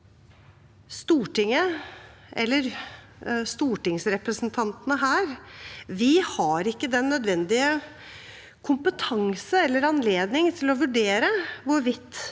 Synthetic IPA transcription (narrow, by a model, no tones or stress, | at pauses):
st̪uːʈɪŋə | ʔɛ̰lːəɾ | st̪uːʈɪŋsɾɛpɾəsnt̪ʰɑnt̪ənəɦæːɾʋɪhɑɾɪkːəd̪ɛnːœd̪ʋɛnd̪ɪə | kʰʊmpət̪ʰɑŋsəɛlːəɾɑnleːd̪nɪŋt̪ʰɪlɔʋʉɖeːɾəʋʊɾʋɪt̪ː